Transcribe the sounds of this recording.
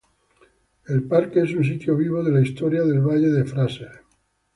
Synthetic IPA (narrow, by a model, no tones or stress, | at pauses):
e̞lpaɾkees̬uns̬it̪joβiβ̞oðe̞laist̪oɾjaðe̞lβaʎe̞ðe̞fɾaseɾ